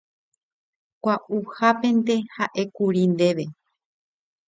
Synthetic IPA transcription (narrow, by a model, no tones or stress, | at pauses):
kʷaʔuhape̞nt̪ehaʔekuɾind̪e̞ʋe̞